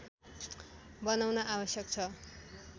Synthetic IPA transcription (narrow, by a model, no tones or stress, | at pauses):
bʌnawnʌʔabʌsjʌkt͡sʰʌ